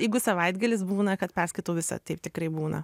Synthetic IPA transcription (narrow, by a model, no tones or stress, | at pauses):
jɛɪɡʊsɐʋɐɪd̪ɡɐlʲɪsbuːnɐkɐt̪pʲɛrskɐɪt̪oːʋʲɪsɐ̰t̪ɐɪp̚t̪ʲɪkɾɐɪbuːnɐ̰